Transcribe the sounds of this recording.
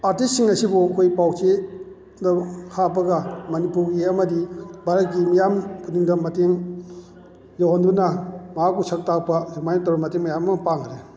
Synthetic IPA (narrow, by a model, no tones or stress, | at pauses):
aɾtistsiŋɐsibukʰojpawt͡ʃe | dɐkʰapɐɡɐmɐnipuɾɡiɐmɐdibaɾɐt̚ɡimijampʰuniŋdɐmɐteŋ | zawɔndunɐmaakusɐk̚tak̚pɐzamajnɐtɔwɾɐmɐteŋmajamɐpaŋɾe